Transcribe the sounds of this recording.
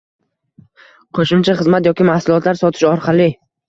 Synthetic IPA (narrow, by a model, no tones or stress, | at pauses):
qʰoʃɪmt͡ʃʰaχɨzmat̪jɒkʲɪmahsʊlˠɒt̪laɾsɒt̪ʰɪ̥ʃɒɾqʰɑlˠɪ